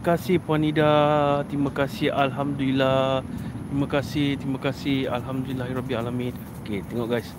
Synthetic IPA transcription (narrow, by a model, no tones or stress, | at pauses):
kasɪhpanidat̪imãkasihalɦamd̪ulilat̪imãkasɪht̪ɾimakasɪhalɦamd̪ulilahiɾɔbialamĩn | oket̪ɛŋɔʔɡajs